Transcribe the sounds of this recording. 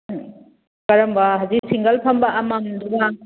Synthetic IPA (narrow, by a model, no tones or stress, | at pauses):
kɐɾɐmbɐɦɐziksiŋɡɐlpʰɐmbɐʔːmamd̪uba